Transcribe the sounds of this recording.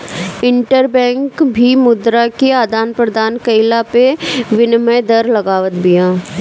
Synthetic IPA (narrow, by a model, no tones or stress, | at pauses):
ɪ̃ɳʈəɾbɛ̃ːŋkbʱimʊd̪ɾakeaːd̪aːnpɾɐd̪ʱaːnkəɪlapeʋɪnməjd̪ɐɾlɐɡaːʋət̪bɪjãː